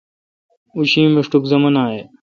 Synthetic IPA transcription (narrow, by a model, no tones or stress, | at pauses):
uʃĩːmɪʂʈukzəmənaːɦeː